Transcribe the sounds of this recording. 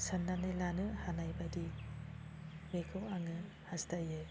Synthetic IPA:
sanːanɯjlanɯhanajbadi | bekʰɯwaŋɯ | hastajɯ

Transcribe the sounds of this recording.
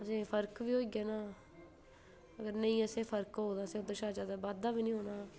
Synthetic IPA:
əsẽːpʰəɾkʋiːɦoːiɡaːnaː | əɡəɾnəĩːəsẽːpʰəɾkɦoːd̪aːsẽʊd̪ẽːʃaːd͡ʒaːd̪aːbaːd̪aːbiːnĩːɦoːnaː

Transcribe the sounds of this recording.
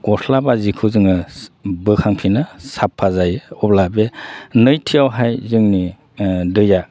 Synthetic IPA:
ɡ̥ɔsʰlabazikʰɯzɯŋɯbɯkʰaŋpʰinasapʰːazajɔblabenɯjtʰijawɦajzɯŋni | dɯja

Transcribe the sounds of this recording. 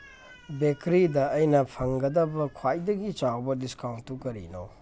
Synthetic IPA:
bekɾidɐːjnɐpʰɐŋɡɐdɐbɐkʰwajdɐɡit͡ʃawbɐdiskawnttukɐɾḭno̰

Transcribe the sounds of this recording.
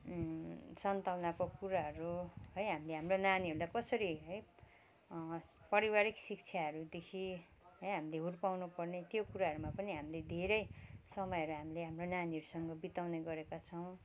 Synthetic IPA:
sʌnt̪awnakokuɾaɦʌɾuɦʌjɦamileɦamronaniɦʌɾulajkʌsʌɾiɦʌj | pʌɾiwaɾiksik̚t͡sʰjaɦʌɾud̪ekʰi | ɦʌjɦamileɦurpawnupʌrnet̪jokuɾaɦʌɾumapʌniɦamiled̪ʱeɾʌjsʌmʌjʌɾuɦamileɦamronaniɦʌɾusʌŋɡʌbit̪awneɡʌɾekat͡sʰʌw̃

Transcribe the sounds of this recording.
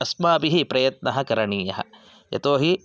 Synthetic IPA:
ɐsmaːbiɦipɾɐjɐt̪̚nɐɦɐ̆kɐɾɐɳiːjɐɦɐ̰̆ | jɐ̰t̪oːɦi

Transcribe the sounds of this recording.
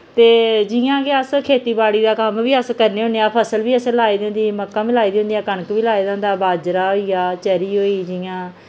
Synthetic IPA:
t̪eːd͡ʒiːãːkeəskʰeːt̪iːbaːɽiːd̪aːkəmʋiːəskəɾneːɦõːneːãːpʰəsəlʋiːəsẽlaːiːd̪ɪ̃ːnd̪iːməkːãːmɪlaːiːd̪ɪ̃ʊ̃nd̪ijãːkəɳəkʋiːlaːiːd̪ãːnd̪aːbaːd͡ʒɾaːɦoːiːjaːt͡ʃəɾiːɦoːiːd͡ʒɪjãː

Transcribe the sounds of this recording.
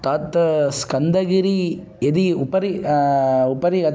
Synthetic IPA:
t̪aːt̪ːskɐnd̪ɐɣɪɾi | ɛðiʊpːɐɾi | ʊpːɐɾikɐ

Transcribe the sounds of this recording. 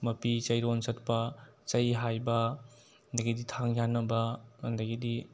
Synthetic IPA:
mɐpit͡ʃɐjɾonsɐt̚pɐt͡ʃɐjɦajbɐ | ndɐɡiditʰaŋjanːɐbɐːndɐɡidi

